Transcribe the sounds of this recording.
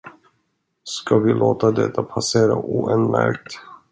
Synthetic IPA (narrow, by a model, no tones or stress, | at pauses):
skavɪlʔoːt̪ad̪ɛt̪ʰːapʰaseːɾaʔuːɛnmæɾk̚t̪